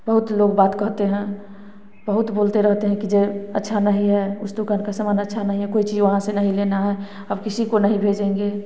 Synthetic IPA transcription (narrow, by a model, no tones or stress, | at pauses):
bəɦʊt̪loːɡbaːt̪kəɦt̪eɦɛ̃ | bəɦʊt̪boːlt̪eɾəɦt̪eɦɛ̃kid͡ʒeətːʃʰanəɦĩɦɛʊsd̪ukankasəmaːnətːʃʰanəɦĩɦɛkoit͡ʃiːd͡ʒʋəɦãsenəɦĩlenaɦɛ | əbkɪsikonəɦĩbʱed͡ʒẽŋɡe